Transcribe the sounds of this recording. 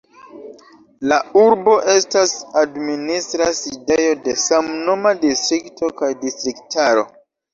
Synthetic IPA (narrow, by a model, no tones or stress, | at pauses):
lauɾbo̞ʔe̞stasadministɾaside̞jo̞de̞samno̞madistɾiktʰo̞kajdistɾiktaɾo̞̰